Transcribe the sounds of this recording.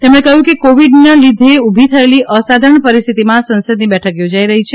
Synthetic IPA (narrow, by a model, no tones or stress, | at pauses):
t̪emɽ̃ekəɦjũkekoʋiɖnalid̪ʱeubʱit̪ʰəeliʔəsad̪ʱəɳpəɾist̪ʰit̪imãsə̃nsəd̪nibɛʈʰəkjod͡ʒaiɾəɦit͡ʃʰe